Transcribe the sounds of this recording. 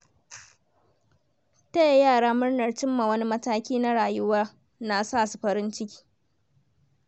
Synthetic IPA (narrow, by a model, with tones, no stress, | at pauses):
ta˦ja˦jaː˦˨ɽaː˦mʊ˦rnɐ˨rt͡ʃɪ˦mːa˨wɐ˦ni˦mɐ˦taː˦kʲiː˦na˦ɽaː˨jʊ˦waː˦ | na˨saː˦˨su˨ɸɐ˦ɾɪ˦nt͡ʃɪ˦kʲi̥ː˦